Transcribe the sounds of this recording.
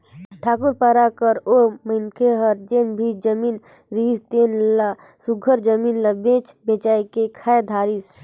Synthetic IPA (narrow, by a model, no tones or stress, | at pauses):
ʈʰaːkʊɾpəɾakəɾoməɪnkʰeɦəɾd͡ʒeːnbʱid͡ʒəmiːn | ɾiːst̪eːnla | suɡʱəɾd͡ʒəmiːnlabẽːt͡ʃbeːt͡ʃaːkekʰaːed̪ʱaːɾis